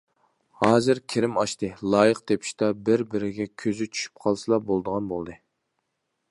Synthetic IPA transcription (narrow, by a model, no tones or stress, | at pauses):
hɑːzɨɾkʲʰeɾɪmɑʃt̪ɨlˠɑːjɨqt̪ʰepʰi̥ʃt̪ɛbɪɾbɪɾɪɡʲɛkʲʰøzyt͡ʃʰy̥ʃy̥p̚qʰɑlˠsɨlˠɑbolˠd̪əʁɑnbolˠd̪ɨ